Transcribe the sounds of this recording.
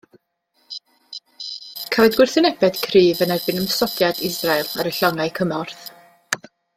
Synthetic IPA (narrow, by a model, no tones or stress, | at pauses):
kʰavɛɨdɡwɪrθɪnɛbɛd̥kʰriːvənɛrbɨnəmsɔdjadɪsrajlˠaɾəɬɔŋajkʰəmɔrθ